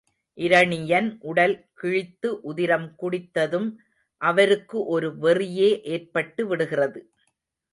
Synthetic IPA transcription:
ʔɪɾɐɳɪjɐnʔʊɽɐlkɪɻɪt̪ːɯʔʊðɪɾɐmkʊɽɪt̪ːɐðɯm | ʔɐʋɐɾɯkːɯʔɔɾɯʋɛrɪjeːʔeːrpɐʈːɯʋɪɽɯɣɪrɐðɯ

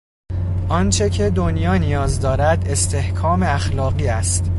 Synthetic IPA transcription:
ʔɒnt͡ʃʰe̞cʰe̞d̪onjɒːnijɒːzd̪ɒːɾæd̪e̞st̪ʰe̞hkʰɒːme̞æxlɒːɣiːæst̪

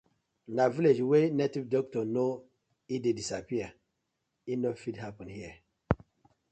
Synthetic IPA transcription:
ndaviled͡ʒwenetivdɔk̚tɔno | idedisapiə | inofidhapɔ̃nhiə

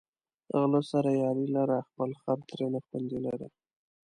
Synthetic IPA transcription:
ə̰ɣlosaɾajɑɾilaɾaxpəlxaɾt̪ɾenaxpand̪ilaɾḭ

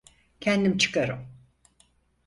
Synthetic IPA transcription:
cʰɛnd̪imt͡ʃʰɯ̥kaɾɯ̰m

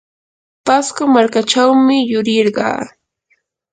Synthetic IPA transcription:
paskʊmaɾkat͡ʃawmɪjʊɾɪɾɢɑ̰ː

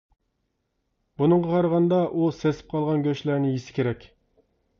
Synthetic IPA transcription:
bunɨŋʁɑqʰɑɾəʁɑnd̪ɑʔusesɪ̥p̚qʰɑlˠʁɑnɡʲøʃlæɾnɪjisɪ̥kʲeɾɛkʲ

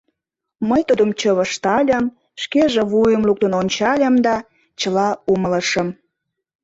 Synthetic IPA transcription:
məjt̪ud̪əmt͡ɕəβəʃt̪ɑlʲə̆m | ʃkeʒeβujəmluk̚t̪ənonʲt͡ɕɑlʲəmd̪ɑ | t͡ɕəlɑumələʃə̆m

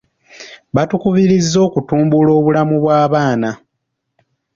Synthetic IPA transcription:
βatukuβiɾizːo̞ːkutuːmbulo̞ːβulamuβwaːβaːna

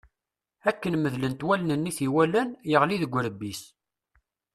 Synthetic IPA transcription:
ækːənməðlənt̪wælnənːiθiwælænjəʁliðəɡʷːɾəbːis

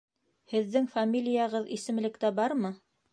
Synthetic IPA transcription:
hɘ̆ðːɘŋfamʲilʲɪjɑʁɤðisɘ̆mlɘ̆kt̪æbɑɾmɤ

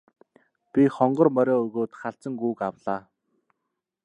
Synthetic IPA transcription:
pʲiχɔɴɢɞ̆rmœɾʲɔːɵɣoːt̪χaɬt͡sə̆ŋɡuːkawɮaː

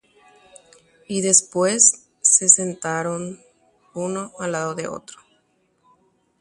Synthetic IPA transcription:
iðe̞spwe̞sː | e̞se̞nt̪aɾo̞n | uno̞alaðoðe̞̰o̞̰t̪ɾo

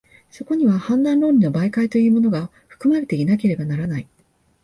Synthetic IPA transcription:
so̞ko̞ɲ̟iβahãnd̪ãnɾo̞ːɾʲino̞baikait̪o̞jɯ̟ːmo̞no̞ɡa | ɸɯ̟̥kɯ̟maɾe̞t̪e̞inak̬e̞ɾe̞banaɾanai

